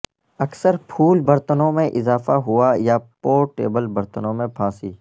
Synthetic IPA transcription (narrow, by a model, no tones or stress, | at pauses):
ɐksəɾpʰuːlbɐɾt̪ənõmẽʔɪzaːfaɦʊajapoːɾʈḛːbəlbɐɾt̪ənõmẽpʰãːsiː